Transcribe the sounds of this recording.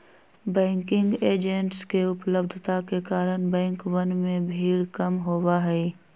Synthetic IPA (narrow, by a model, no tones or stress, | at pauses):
bɛ̃ːŋkɪ̃ŋɡeːd͡ʒẽɳʈskeʊpləbd̪ʱt̪akekaːɾəɽ̃bɛ̃ːŋkʋənmẽbʱiːlkəmɦoːwaɦɛː